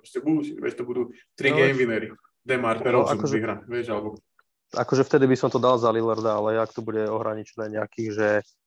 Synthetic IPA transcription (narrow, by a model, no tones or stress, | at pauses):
ɾɔsɛbud̪uːsiɛʋɛ̰ʃt̪ɔbud̪uː | t̪ɾiɛmʋinɛɾi | d̪ɛmaɾt̪ɛɾɔa̰kɔʒɛiɦɾaʋɪɛʒalɛbɔ | a̰kɔʒɛft̪ɛd̪ibisɔmt̪ɔd̪alzalilɛɾd̪aalɛjɛakt̪ɔbuɟɛɔɦɾaɲit͡ʃnɛːɲɛakiːɣʒɛ